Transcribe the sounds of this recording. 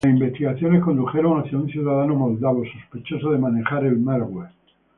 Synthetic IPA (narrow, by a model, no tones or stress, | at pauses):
simbe̞st̪iɣaθjo̞nesko̞nd̪uxe̞ɾoŋaθiunθjuðaðanomo̞ld̪aβosospet͡ʃo̞soðemane̞xaɾelmaɾɣwe